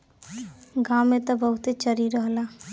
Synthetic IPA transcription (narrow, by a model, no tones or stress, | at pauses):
ɡãmːet̪ɔbəɦut̪et͡ʃəɾiɾəɦla